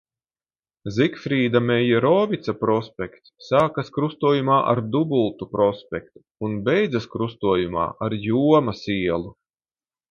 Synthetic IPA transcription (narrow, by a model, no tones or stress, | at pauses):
zikfɾiːd̪amɛjaɾɔːvit̪sapɾɔspʲɛkt̪sːaːkaskɾust̪uɔjumaːʔa̰ɾd̪ubulˠt̪upɾɔspʲɛk̚t̪u̥ːnbɛjd̪zaskɾust̪uɔjuma̰ːʔaɾjuɔmasiɛlˠu